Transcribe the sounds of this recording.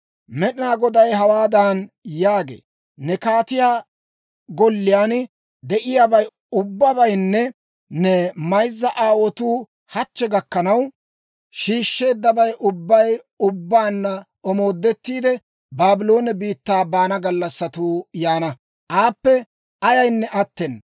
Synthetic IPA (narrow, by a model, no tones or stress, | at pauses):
mɛɗɪnaːɡɔd̪ɐjɦɐwaːd̪aːnjaːɡḛː | nɛkaːt̪ɪjaː | ɡɔlːɪjaːn | d̪ɛʔɪjabɐj | ʊbːɐbɐjnːɛ | nɛmɐjzːɐʔaːwɔt̪uː | hɐt͡ʃːɛɡɐkːɐnɐw | ʃiːʃːe̞ːd̪ːɐbɐjʔʊbːɐj | ʊbːaːnːɐ | ɔmo̞ːd̪ːɛt̪ːiːd̪ɛ | baːbɪlo̞ːnɛbiːt̪ːaːbaːnɐɡɐlːɐsːɐt̪uːjaːnɐ | ʔaːpːɛ | ɐjɐjnːɛʔɐt̪ːɛn